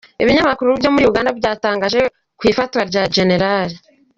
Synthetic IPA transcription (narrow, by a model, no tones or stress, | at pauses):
eβiɲamakuɾuβjo̞ːmuɾiuɡaːndabɟaːtaːŋɡaːʒe̞ | kwiːfatwaɾɟaʒe̞ne̞ɾali